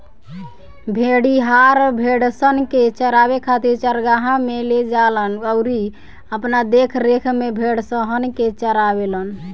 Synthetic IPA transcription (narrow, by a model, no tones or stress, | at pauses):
bʱeɽiɦaɾbʱeɽsənket͡ʃəɾaβekʰat̪iɾt͡ʃəɾɡaɦãmeled͡ʒalənəʊɾi | əpnad̪ekʰɾekʰmebʱeɽsəɦənket͡ʃəɾabelən